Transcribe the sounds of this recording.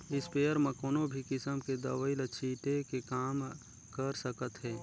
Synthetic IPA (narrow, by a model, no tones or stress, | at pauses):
ɪspeːəɾmẽkoːnobʱikɪsəmked̪ɐʋəɪlət͡ʃʰiːʈekekaːm | kəɾsəkət̪ɦɛː